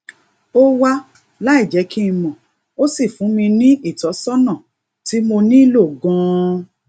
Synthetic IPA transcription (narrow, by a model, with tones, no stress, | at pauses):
o˦wa˦ | la˦i˦˨d͡ʒɛ˨˦kʰi˦ĩ˧mɔ̃˨ | o˦si˦˨fũ˨˦mĩ˧nĩ˦ʔi˦˨tɔ˨˦sɔ˦nã˦˨ | ti˨˦mo˧nĩ˦i˦lo˦˨ɡɔ̃˦˧